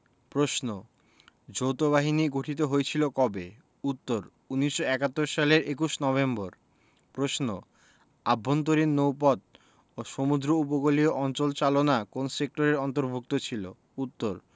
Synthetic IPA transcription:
pɾosno | d͡ʑowt̪oβaɦiniɡoʈʰit̪̬oɦoet͡ɕʰilokɔbe | ut̪ːoɾ | uniʃːoɛkat̪ːoɾʃaleɾek̬uʃnɔβemboɾ | pɾosno | abʱːont̪̬oɾinːowpɔd̪̚ | oʃomud̪ɾoupokolioʔɔnt͡ɕolt͡ɕalonakonsek̚ʈoɾeɾɔnt̪̬oɾbʱuk̚t̪ot͡ɕʰilo̰ | ut̪ːoɾ

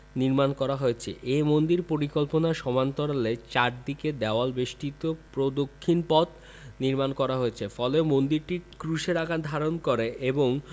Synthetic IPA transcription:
niɾmankɔɾaɦoet͡ɕʰḛʔemond̪iɾpoɾikolponaʃɔmant̪oɾalet͡ɕaɾd̪iked̪ɛoalbeʃʈit̪opɾod̪okʰːinpɔt̪ | niɾmankɔɾaɦoet͡ɕʰefɔleomond̪iɾʈikɾuʃeɾaɡad̪ʱaɾonkoɾeʔeboŋ

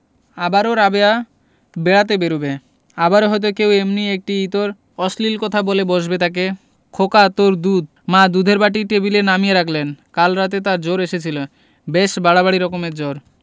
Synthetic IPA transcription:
abaɾoɾabea | beɽat̪̬ebeɾube | abaɾoɦɔjt̪̬okewemniek̚ʈiit̪oɾ | ɔslilkɔt̪ʰaboleboʃbet̪ak̬e | kʰokat̪oɾd̪ud̪̚ | mad̪ud̪ʱeɾbaʈiʈebilenamijeɾakʰlenkalɾat̪et̪aɾd͡ʑoɾeʃet͡ɕʰilo | beʃbaɽabaɽiɾɔkomeɾd͡ʑoɾ

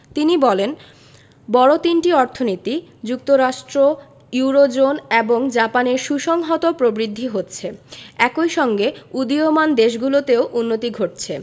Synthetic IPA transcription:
t̪inibɔlen | bɔɽot̪inʈiɔɾt̪ʰonit̪id͡ʑuk̚t̪oɾaʃʈɾo | juɾod͡ʑoneboŋd͡ʑapaneɾʃuʃɔŋɦɔt̪opɾobɾid̪ʱːiɦotːt͡ɕʰeɛkojʃɔŋɡeud̪iomand̪eʃ̬ɡulot̪eoʔunːot̪iɡʱoʈ̚t͡ɕʰe

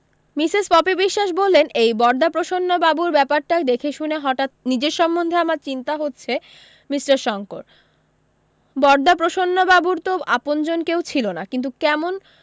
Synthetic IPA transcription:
misizpɔpibiʃːaʃbolːenʔejbɔɾd̪apɾoʃonːobabuɾbɛpaɾʈakd̪ekʰeʃuneɦɔʈat̪̚nid͡ʑeɾʃɔmːond̪ʱeamaɾt͡ɕint̪aɦotːɕʰe | misɾaɾʃɔŋkoɾ | bɔɾd̪ap̬ɾoʃonːobabuɾt̪oʔapond͡ʑonkewt͡ɕʰilonakint̪ukɛmon

